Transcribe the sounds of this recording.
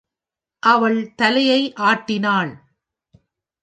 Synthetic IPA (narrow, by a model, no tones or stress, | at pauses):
ʔɐʋɐɭt̪ɐlɐjɐɪʔaːʈːɪnaːɭ